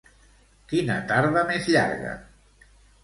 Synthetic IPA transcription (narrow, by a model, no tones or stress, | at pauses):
kinət̪aɾβəmezʎa̰ɾɣə̰